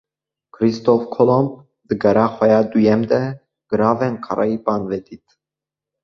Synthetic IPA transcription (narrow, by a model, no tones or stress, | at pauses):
kʰɾist̪ɔfkʰɔlɔmb | d̪ɨɡɛɾɑxʷɛjɑd̪ujɛmd̪ɛ | ɡ̥ɨɾɑːvɛnkʰɑɾʔɑ̰ipɑnvɛd̪it̪